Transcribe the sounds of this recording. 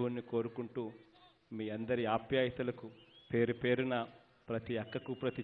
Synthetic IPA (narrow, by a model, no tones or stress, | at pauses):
unːiko̞ːɾukuɳʈuː | miːɐnd̪ɐɾiaːpjaːjɐt̪ulɐkupe̞ːɾupe̞ːɾunɐ | pɾɐt̪iɐkːɐkupɾɐt̪i